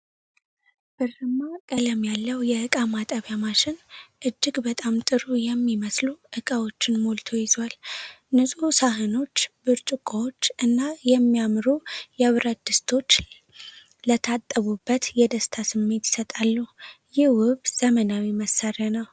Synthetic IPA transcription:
b̥ɨrːɨmakʼələmjalːəwjɛʔɨkʼamat̪ʼəβjamaʃɪnʔɨd͡ʒːɪɡbət̪ʼamt̪ʼɨɾujɛmːiməsluʔɨkʼəwo̞t͡ʃːɪnmolt̪ʰo̞jɪzal | nɨsʼusaɦɨno̞t͡ʃːbɨɾt͡ʃʼukʼowo̞t͡ʃːɨnːajɛmːijamɾujɛβɾəd̪ɨst̪ʰo̞t͡ʃː | lət̪ʰat̪ʼːəβubːət̪jɛd̪əst̪ʰasɨmːe̞t̪jɪ̥sət̪ʼalːujɪhwʊβz̥əmənawiməsːarənəw

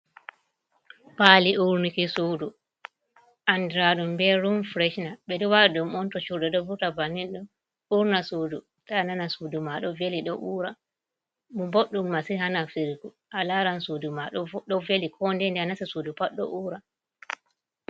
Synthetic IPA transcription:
paliʔuɾnikisudu | ʔandɾaɗumbɛɾumfɾɛʃnaɓɛɗiwadumɔntɔt͡ʃuɾdɛɗɔvutabanːinɗun | uɾnasudu | tananasudumaɗɔveliɗɔʔuːɾa | mumboɗːumːasiɦanafiɾɡu | ʔalaɾansudumaɗɔɗɔvelikʰɔndɛndɛanasisudupaɗːɔ̰ʔuːɾa

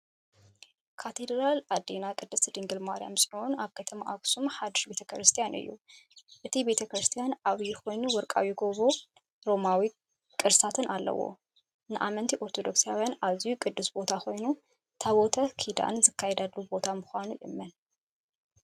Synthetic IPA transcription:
kʰat̪ʰed̪ɾalad̪inakʼɨd̪ːɨsd̪ɨŋɡɨlmaɾija̰msʼʕuwunaβkʰɐt̪ʰɐmaʔaksumħad̪ɨʃbe̞t̪ʰɐkɾɨst̪ʰijanʔɨ̰jːṵʔɨt̪ʰibe̞t̪ʰɐkɾɨst̪ʰijanaβjɪxʰo̞jnuwɔɾkʼa̰wjɪɡoβo | ɾo̞mawi | kʼɨɾsat̪ʰɨnʔalːɐ̰wo̞̰ | nɨʔamɐnt̪ʰiʔo̞ɾt̪ʰo̞d̪o̞ksijawjanaβzijukʼɨd̪ːɨsbo̞t̪ʰaxo̞jnu | t̪ʰaβot̪ʰɐkʰid̪a̰nzɨkʰːajɛd̪alːubo̞t̪ʰamɨxʷanujɪ̰mːɐn

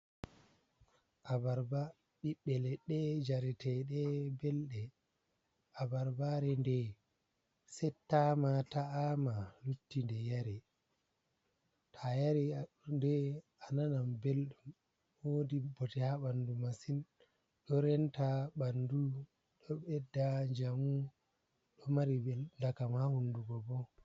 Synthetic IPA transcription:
ʔabaɾba | ɓiɓːɛlɛɗɛd͡ʒaɾɛtɛɗɛbɛlɗɛ | ʔabaɾbaɾɛndɛ | sɛtːamataːmalutːindɛjaɾɛ | tʰajaɾi | ndɛ | ananambelɗum | wodibɔtɛhaɓandumasin | ɗɔɾɛntaɓandu | ɗɔɓɛdːaɲd͡ʒamu | ɗɔmaɾibɛlndakamhahunduɡɔbɔ

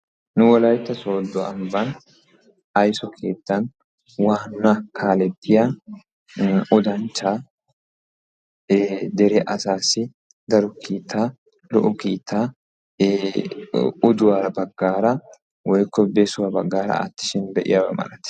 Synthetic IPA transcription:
nʊwɐlɐjt̪ːɐso̞ːd̪ːɔɐmbɐn | ɐjsɔkʰe̞ːt̪ːɐn | waːnːɐkʰaːlɛt̪ːɪja | ʊd̪ɐnt͡ʃːaː | d̪ɛɾɛʔɐsaːsɪ | d̪ɐɾʊkʰiːt̪ʰːaː | ɾʊ̰ʔʊkiːt̪ʰːaː | ʊd̪ʊwaːɾɐbɐɡːaːɾɐ | wɔjkːɔbesʊwɐbɐɡːaːɾɐ̰ɐ̰t̪ːɪ̥ʃɪnbɛʔɪ̰jɐbɐmɐ̰lɐt̪ɪ̥

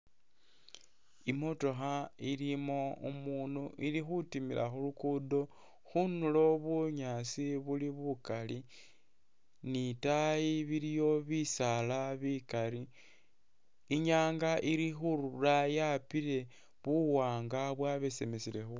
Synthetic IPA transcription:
imo̞to̞xailimo̞umuːnuʔilixutimilʔa̰xulukudo̞ | xunulo̞βuɲasiβuliβukali | nitajiβiɾijo̞βisalaβikaɾi | ɲaːŋɡaʔiɾixuɾulajapile̞ | βuwaːŋɡaβwaβesemesilexu

